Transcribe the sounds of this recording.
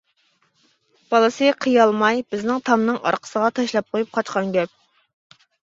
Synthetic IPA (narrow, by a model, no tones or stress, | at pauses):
b̥ɑlˠɨsɨqʰəjɑlˠmɑjb̥ɪznɪŋt̪ʰɑmnɨŋɑ̰ɾqʰə̥səʁɑt̪ʰɑʃlˠɑp̚qʰojup̚qʰɑt͡ʃqɑŋɡʲɛp̚